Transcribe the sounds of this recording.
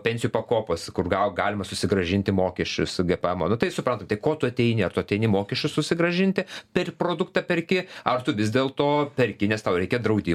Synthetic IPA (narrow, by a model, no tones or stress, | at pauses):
pʲɛnʲsʲɪjuːpɐkoːpoːskʊrɡɑɡɑːlʲɪmɐsʊsʲɪɡɾɐʒʲɪnʲt̪ʲɪmoːkʲɛʃʲt͡ʃʲʊsɡʲɛpɛmoːnʊt̪ɐɪsʊpɾɐnt̪ɐmt̪ɐɪkoːt̪ʊɐt̪ʲɛɪnʲɪɐrt̪ʊɐt̪ʲɛɪnʲɪmoːkʲɛʃʲt͡ʃʲʊssʊsʲɪɡɾɐʒʲɪnʲt̪ʲɪpʲɛrʲpɾoːd̪ʊkt̪ɐpʲɛrʲkʲɪɐrt̪ʊʋʲɪzʲdʲeːlˠt̪oːpʲɛɾʲkʲɪnʲɛst̪ɐʊɾʲɛɪkʲɛd̪ɾɐʊd̪ʲiː